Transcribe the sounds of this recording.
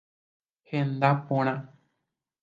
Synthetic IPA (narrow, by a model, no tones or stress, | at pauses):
hẽnd̪apõɾ̃ã